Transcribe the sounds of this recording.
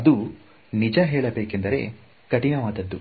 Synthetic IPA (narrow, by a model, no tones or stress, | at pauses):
ɐd̪u | nid͡ʒɐɦeːɭɐbeːkend̪ɐɾe̞̰ː | kɐʈinɐʋaːd̪ɐd̪ːu